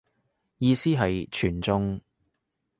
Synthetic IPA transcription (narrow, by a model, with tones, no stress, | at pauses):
jiː˧siː˥ɦɐ˨jt͡ʃʰyː˨˩nt͡sʊ˥ŋ